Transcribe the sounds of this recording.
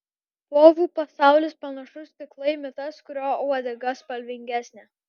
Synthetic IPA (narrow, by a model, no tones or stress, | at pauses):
poːʋʲuːpɐsɑˑʊlʲeːspɐnɐʃʊst̪ʲɪklˠɐɪmʲɪt̪ɐskʊɾʲoːʊɐd̪ʲɛɡɐspɐlʲʋʲɪŋʲɡʲæsʲnʲeː